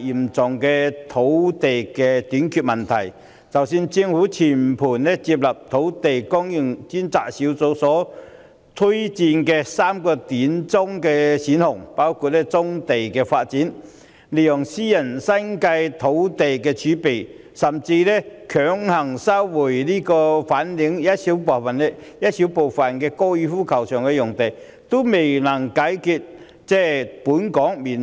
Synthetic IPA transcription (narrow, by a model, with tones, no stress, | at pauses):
ji˨˩mt͡sʊ˨ŋkɛː˧t̪ʰo˨˥wt̪e˨jkɛ˧t̪yː˨˥nkʰyː˧t̚mɐ˨˩nt̪ʰɐ˨˩j | t͡sɐ˨˩wsiː˧nt͡si˧ŋhuː˨˥t͡sʰiː˨˩npʰuː˨˩nlɛ˥t͡siː˧p̚lɐ˨p̚t̪ʰo˨˥wt̪e˨jkɔː˥ŋji˨˩ŋt͡si˥nt͡saː˧t̚siː˨˥wt͡so˨˧˥wsɔː˨˥ | t̪ʰu˥jt͡siː˧nkɛː˧saː˥mkɔː˧t̪iː˨˥nt͡sʊ˥ŋkɛː˧siː˨˥nhʊ˨˩ŋpaː˥wkʰuː˧t̚lɛ˥t͡sʊ˥ŋt̪e˨jkɛː˧faː˧t̚t͡siː˨˥n | le˨˩jɔ˨˩ŋsiː˥jɐ˨˩nsɐ˥nkɐ˧jt̪ʰo˨˥wt̪e˨jkɛː˧t͡ʃʰyː˨˥pe˨˩j | sɐ˨mt͡siː˧lɛ˥kʰœː˨˥ŋhɐ˨˩ŋsɐ˥wwuː˨˩jliː˥kɔː˧faː˨˥nli˨˥ŋjɐ˥t̚si˨˥wpɔː˨˩fɐ˨nɛ˥jɐ˥t̚si˨˥wpo˨˩wfɐ˨˩nkɛː˧kɔː˥jyː˧fuː˥kʰɐ˨˩wsœː˨˩ŋkɛ˧jʊ˨˩ŋt̪e˨˩j | t̪o˥me˨jnɐ˨˩ŋkaː˨˥jkʰy˧t̚ | t͡sɛː˥puː˨˥nkɔː˨˥ŋmiː˨˩n